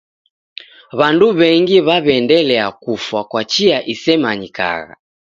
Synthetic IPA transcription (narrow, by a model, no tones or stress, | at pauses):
βanduβɛŋɡiβaβɛndɛlɛakufwakwat͡ʃiaʔisɛmaɲika̰ɣa̰